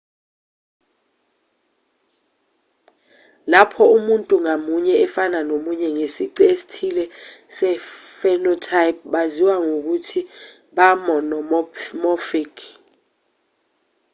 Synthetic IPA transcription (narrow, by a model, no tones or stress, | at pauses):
lapʰɔumuntʼuŋamuɲɛɛfananomuɲɛŋesiǀesi̥tʰilɛsɛfɛnɔtʰaip̚ɓaziwaŋok̬utʰi | ɓamɔnɔmmɔfikʰ